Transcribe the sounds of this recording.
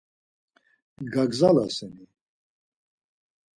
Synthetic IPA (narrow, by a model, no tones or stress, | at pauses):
ɡaɡzalasɛmi